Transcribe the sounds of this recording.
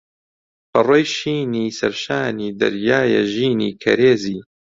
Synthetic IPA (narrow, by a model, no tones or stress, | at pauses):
pɐrojʃiːniːsɐɾʃaːniːd̪ɐ̰ɾjaːjɛ̰ʒiːnḭːkʰɐ̰ɾeːziː